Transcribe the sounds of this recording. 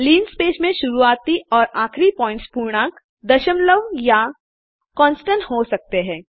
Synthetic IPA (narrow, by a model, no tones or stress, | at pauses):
liːnspeːsmẽʃʊɾuaːt̪iɔːɾaːkʰɾipɔːɪ̃ɳʈspuːɾɽ̃ãːk | d̪ɐʃəmləʋja | kɔ̃ːnsʈə̃ɳʈɦosɐk̚t̪eɦɛ̃ː